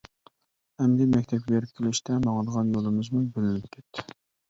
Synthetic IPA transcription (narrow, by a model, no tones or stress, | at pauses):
hɛmd̪ɪmɛk̚ʲt̪ʰɛp̚kʲbeɾɪp̚kʲʰlɪʃt̪ʰɛmɑŋəd̪əʁɑnjolˠɨmɨzmubølɪnɪp̚kʲʰɛt̪ʰːɪ̥